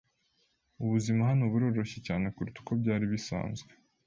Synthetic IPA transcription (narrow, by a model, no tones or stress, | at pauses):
uβuzimaɦanoβuɾo̞ːɾo̞çe̞caːne̞kuɾitu̥ko̞bɟaːɾiβisa̰ːnzɡwe